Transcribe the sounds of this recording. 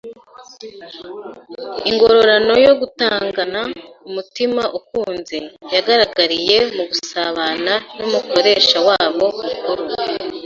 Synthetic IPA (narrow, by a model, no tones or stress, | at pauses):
iŋɡo̞ɾo̞ɾano̞jo̞ɡutaːŋɡanaumutimaʔukuːnzejaɡaɾaɡaɾije̞muɡusaβananomuko̞ɾe̞ʃawaːβo̞mukoɾo